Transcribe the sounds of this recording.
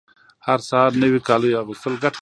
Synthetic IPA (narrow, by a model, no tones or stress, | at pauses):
haɾsaɾnəwikɑlujaɣɪst̪əlɡaʈ